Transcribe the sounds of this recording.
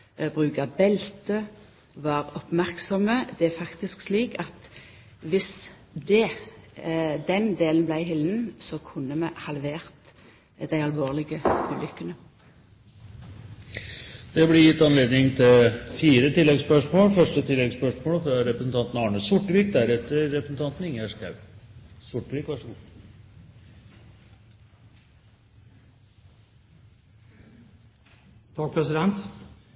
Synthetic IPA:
bʁʉːkɑbɛlt̪ə | ʋɑːʁɔpmæʁksɔməd̪ɛæfɑkt̪ɪsksliːkɑt̪ | ʋɪs | d̪ɛ | d̪ɛnd̪eːlənblæɪɦɪld̪n̩sɔkʰʊnːəmɛhɑlʋeːʁt̪ | d̪̥æɪɑlʋoːʁlɪɡəʉːlʏkːənə | d̪̥ɛblɪjɪt̪ːɑnleːd̪nɪŋt̪ʰɪlfiːɾət̪ɪlːɛɡspœʂmoːlfœʂʈət̪ʰɪlːɛɡspœʂmoːlfɾɑɾɛpɾəsn̩t̪ɑnt̪nɑɑɳəsʊʈːəʋiːk̚d̪æɾɛt̪ːəɾːɛpɾsn̩t̪ɑnt̪n̩ɪŋæʂkʰɑʉsʊʈːʋiːkʋɑʂɔɡʊ | t̪ʰɑːɡ̚pʰɾɛsɪd̪ɛnt̪

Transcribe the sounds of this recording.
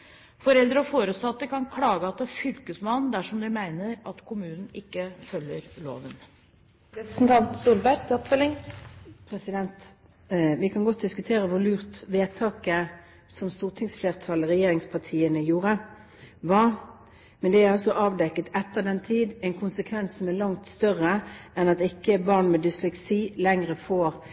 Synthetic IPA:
fɔɾɛld̪ɾəɔfoːɾəsɑt̪ːəkɑnkʰlɑːɡəɑt̪̚d̪ɛfʏlkəsmɑnn̩d̪æʂɔmd̪ɪmæɪnəɾɑt̪kʰʊmʉːnn̩ɪkːəfœlːəɾlo̰ːʋən | ɾɛpɾəsn̩t̪ʰɑnt̪suːlbæɾt̪ɔpfœlɪŋpʰɾɛsɪd̪ɛnt̪ | ʋɪkʰɑnɡɔt̪̚d̪ɪskʉt̪ʰeːʁəʋʊlʉːʁt̪ʋeːt̪ʰɑːkə | sɔmst̪uːʁt̪ʰɪŋsfleːʁt̪ʰɑləʁɛjeːɾɪŋspʰɑʁt̪ʰiːənəjuːɾə | ʋɑː | mɛnd̪ɛæɾɑlsɔʔɑːʋd̪ɛkːət̪ɛt̪ːəd̪ɛnt̪ʰiːd̪ɛɪnkʰʊnsəkʰʋɛnsɔmælɑŋt̪st̪œʁəɛnɑt̪ɪkːəbɑʁnmɛd̪ʏslʉksiːlɛŋʁəfoːɾ

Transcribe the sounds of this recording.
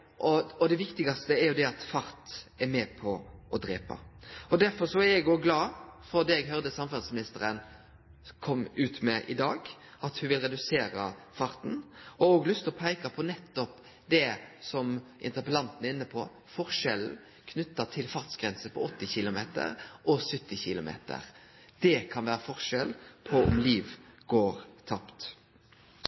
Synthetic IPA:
ʔɔɔd̪ɛʋɪkt̪ɪɡɑst̪əɛæɾjʊd̪ɛɑt̪fɑɾt̪ɛɾmɛpʰɔɔd̪ɾeːpɑ̰ɔd̪æɾfɔɾʂɔæɾjɛɡoɡlɑːfɔɾd̪ɛɛɡɦœɾd̪əsɑmfæʁsmɪnɪst̪əɾən | kʰɔmːʉːt̪mɛʔɪ̰d̪ɑːɡ | ɑt̪hʉʋɪlɾɛd̪ʉseːɾɑ̰ | fɑɾt̪n̩ɔɔɡlʉst̪ɔpʰæɪkɑpʰɔnɛt̪ːɔp | d̪ɛsɔmʔɪ̰nt̪əʁpəlɑnt̪n̩ɪnːəpʰɔ | fɔʁʂɛl̩ | kʰnʉt̪ːɑt̪ʰɪlfɑʁt̪sɡɾɛnsəpʰɔɔt̪ːɪçɪlʊmeːt̪ə̰ʁʔɔsʏt̪ːɪçɪlʊmḛːt̪ə̰ʁ | d̪̥ɛkʰɑnʋæːɾəfɔʁʂɛlpʰɔʊ̰mliːʋɡoːɾt̪ʰɑpt̪

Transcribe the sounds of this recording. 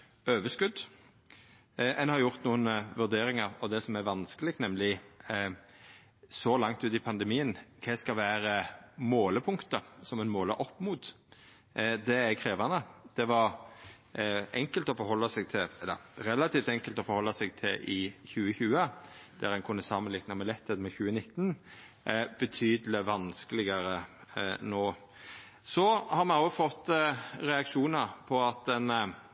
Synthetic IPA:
øːʋəskʉd̪ | ʔɛnhɑɾjʊɾt̪nuːənəʋʉʁd̪eːɾɪŋɑʁɔd̪ɛsɔmæɾʋɑnskəlɪkt̪nɛmlɪ | sɔlɑŋt̪ʉːt̪ɪpʰɑnd̪əmiːənkʰɛskɑlʋæːɾəmoːləpʰʊŋkt̪əsɔmɛnmoːləʔɔpːmuːt̪ | d̪ɛækʰɾeːʋɑnəd̪̥ɛʋɑɾ | ɛŋkəlt̪ɔfɔɾhɦɔlːɑsɛɡt̪ʰɪlɛlːə̰ɾɾɛlɑt̪ʰiːft̪ɛŋkəlt̪ɔfɔɾhɔlːɑsɛɡt̪ʰɪlʔɪçʉːəçʉːəd̪̥æɾɛnkʰʊnːəsɑmənlɪknɑmɛlɛt̪ʰːed̪mɛçʉːənɪt̪ːn | bət̪ʰyːd̪lɪʋɑnskəlɪɡɑɾənoː | sɔhɑɾmɛnoːfɔt̪ːɾɛɑkʂuːnəɾpʰɔɑt̪̚ɛn

